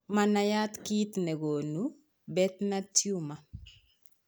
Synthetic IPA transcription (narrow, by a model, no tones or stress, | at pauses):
manajat̪kit̪nɛɡonu | bɛt̪natjuma